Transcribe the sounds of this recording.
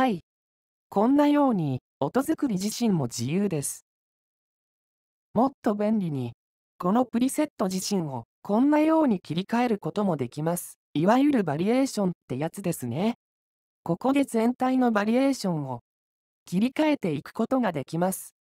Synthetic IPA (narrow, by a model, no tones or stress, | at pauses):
hai | kõ̞nːajo̞ːɲ̟i | o̞t̪o̞zɨkɯ̟ɾʲiʑiɕĩmmo̞d͡ʑijɯːd̪e̞sɨ̥ | mo̞t̪ːo̞bẽ̞nʲɾʲiɲ̟i | ko̞no̞pɯ̟ɾʲise̞t̪ːo̞ʑiɕĩɰ̃o̞kʰõ̞nːajo̞ːɲ̟ikʲiɾʲikae̞ɾɯ̟ko̞t̪o̞mo̞d̪e̞kʲimasɨ̥ | iβajɯ̟ɾɯ̟baɾʲie̞ːɕõ̞nt̪ːe̞jat͡sɨd̪e̞sɨne̞ | ko̞ko̞d̪e̞zẽ̞nt̪aino̞baɾʲie̞ːɕõ̞ɰ̃o̞ | kʲiɾʲikae̞t̪e̞ikɯ̟̥ko̞t̪o̞ɡad̪e̞kʲimasɨ̥